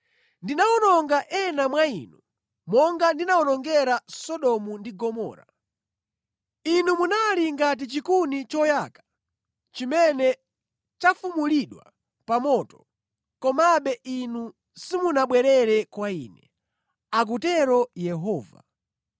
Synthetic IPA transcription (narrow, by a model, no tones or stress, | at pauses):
ndinaɔnɔŋɡaʔɛnamwaḭnu | mɔŋɡandinaɔnɔŋɡɛɾasɔɗɔmundiɡɔmɔ̰ːɾa̰ | inumunaliŋɡat̬it͡ʃikunit͡ʃɔjakḁ | t͡ʃimɛnɛ | t͡ʃafumuliɗwa̰ | pamɔtɔ̥ | kɔmaɓɛʔinu | simunaɓwɛɾɛɾɛkwaḭːnɛ | ak̬utɛɾɔjɛɦɔːva̰